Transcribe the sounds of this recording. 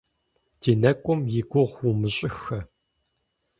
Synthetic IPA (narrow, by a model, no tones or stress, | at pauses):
d̥iːnɐkʷʼʊmjɪɡʷʊʁwumɨɕʼɪxɐ